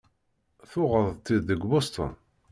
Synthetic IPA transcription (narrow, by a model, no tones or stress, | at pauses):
θʊʁəðˤt̪ːiðːəɡʷbost̪ˤə̰n